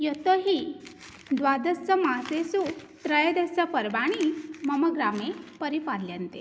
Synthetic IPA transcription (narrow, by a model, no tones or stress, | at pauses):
jot̪əɦiː | d̪ʋad̪əst͡səmasesu | t̪ɾəjd̪est͡səpəɾbaɽ̃iməməɡɾamepəɾipaɾljənt̪ḛ